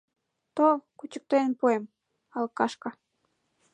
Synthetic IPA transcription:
t̪olkut͡ɕə̥k̚t̪enpuem | ɑlɤkːɑʃkɑ

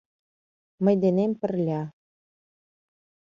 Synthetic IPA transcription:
mɤ̆jd̪enempɘ̆rlʲɑ

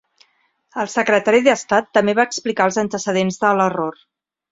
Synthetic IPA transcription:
əlˠsəkɾət̪aɾiðəst̪at̪ːəmbeβaəksplikalˠzənt̪əsəð̞enzðələror

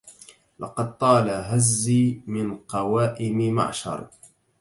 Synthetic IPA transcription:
lɑ̰qɑd̪̚t̪ˤɑːlaɦazːiːmɪnqɑwaːʔɪmma̰ʕʃɑ̰ɾˤ

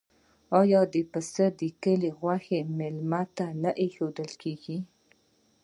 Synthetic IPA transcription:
ɑjɑd̪epəsəd̪əkəleɣwaxemɪlmat̪anəʔexod̪əlkʰeɡi

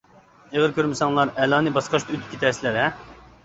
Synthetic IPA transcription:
eʁəɾkʲʰøɾmɪsɑŋlˠɑɾɛlˠɑːnɨbɑsqɑʃt̪yt̪ɪ̥p̚ʲkʰʲet̪ʰɛɾsɪlɪɾɛ

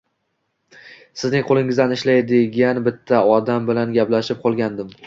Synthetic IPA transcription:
sɪznɪŋqʰolˠɪŋɪzd̪anɪʃlajd̪ɪɡʲanbɪt̪ʰːaɒd̪ambɪlanɡʲaplaʃɪp̚qʰɒlˠɡʲand̪ɪm

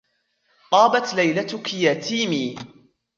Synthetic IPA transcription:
t̪ˤɑːbat̪lajlat̪ʊkjaːt̪iːmiː

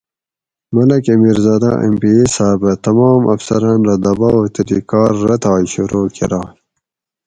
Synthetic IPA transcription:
mɐlɐkɐmiːɾzɑːd̪a̰ʔḛmpiesaːbət̪ɐmɑːmʔɐ̰fsɐɾɑːnɾad̪ɐbɑːot̪ɐɾḭkɑːɾːɐt̪ɑːiɕuɾoːkʰḛɾɑː

